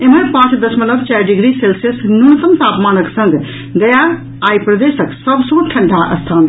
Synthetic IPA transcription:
emənpãːt͡ʃd̪ɐsmələbt͡ʃɛɾɖiɡɾiselsesnuɾut̪əmt̪aːpmaːnəksə̃ŋɡ | d̪ɐja | aːjpɾɐd̪eːsəksəbsõʈʰɐɳɖʱaʔɐ̰st̪ʰaːn

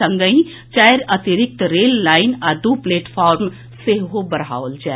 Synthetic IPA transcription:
ə̃ŋɡəĩ | t͡ʃajɾɐt̪iɾɪk̚t̪ɾeːlːaːɪnad̪uːpleːʈpʰaːɾm | seɦɦobəɾa̰ːolt͡ʃa

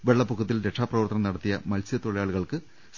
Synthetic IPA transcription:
ʋe̞ɭːɐpːukʰːut̪ːilɾe̞ʈʂaːprɐʋɐrt̪ɐnɐmnɐɽɐt̪ːijɐmɐlsjɐt̪oɭijaːɭuɣɐɭkɨ | s

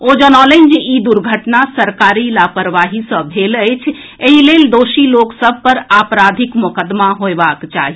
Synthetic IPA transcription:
od͡ʒənɔlənd͡ʒeid̪uɾɡʱəʈnasəɾkaɾilapəɾʋaɦisə̃bʱeləjt͡ʃʰ | eɦileld̪oʃiloksəbʱpəɾapɾad̪ʱikmukəd̪maɦoebakt͡ʃaɦi

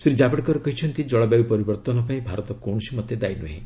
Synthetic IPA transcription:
sɾid͡ʒabeʈkɔɾɔkɔɦit͡ʃʰɔnt̪id͡ʒɔɭabjabipɔɾibɔɾt̪ɔnɔpaĩbʱaɾɔt̪ɔkɔw̃ɔsimɔd̪jed̪ajnuɦḭ̃

